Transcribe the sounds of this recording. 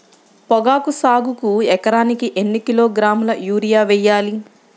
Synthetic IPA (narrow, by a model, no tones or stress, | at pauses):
pɔɡaːkusaːɡukuɛkɐɾaːnikiʔenːikiloːɡɾaːmulɐjuːɾijaːʋɛjːaːli